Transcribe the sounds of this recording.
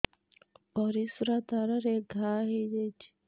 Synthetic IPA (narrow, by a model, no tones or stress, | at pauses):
oɾisuɾataɾaɾeɡahijeɟe̥